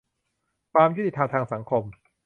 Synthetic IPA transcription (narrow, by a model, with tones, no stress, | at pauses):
p̪aː˧mju˥˩t̪i˨˩t̪ʰːaː˧t̪ʰaː˧ŋsa˩˦ŋkʰo˧m